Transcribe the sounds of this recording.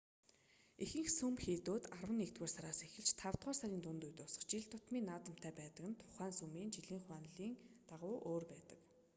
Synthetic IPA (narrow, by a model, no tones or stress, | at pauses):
exɘ̆ŋxsumxeːt̪oːt̪arwə̆nːekt̪weːrsaɾaːsexɘ̆ɮt͡ɕt̪ʰaw̥t̪ʁaːrsaɾʲiːnt̪ʊnt̪ujt̪ʊsɞ̥ə̆χt͡ɕiɮt̪ʊt̪miːnaːt̪ə̆m̥t̪ʰæːpæːt̪ə̆kɘ̆nt̪ʰʊ̥χæːnsumiːnt͡ɕiɮiːɴχʊaːnɮiːŋt̪aʁʊːʔoːrpæːt̪ə̆k